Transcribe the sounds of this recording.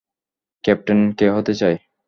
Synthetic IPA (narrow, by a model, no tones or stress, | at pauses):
kɛp̚ʈankeɦot̪et͡ɕae